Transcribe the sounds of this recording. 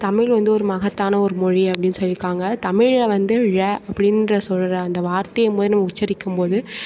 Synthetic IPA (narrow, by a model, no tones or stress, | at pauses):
t̪ɐmɪɭʋɐnd̪ɯɔɾɯmɐɣɐt̪ːaːnɐɔɾɯmɔɻiɐpːɐɽɪnːsɐɭːɪkːaːŋɡɐt̪ɐmɪɻʋɐnd̪ɯɻɐɐpːɐɽɪnrɐsɔlːɯɾɐɐnd̪ɐʋaːɾt̪ɐjɯmpoːðɯnɐmːɐʊt͡ʃːɐɾɪkːɯmpoːðɯ